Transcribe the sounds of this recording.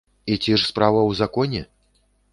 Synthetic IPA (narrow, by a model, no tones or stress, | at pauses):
it͡sʲiʂspɾavɐwzakɔnʲɛ̰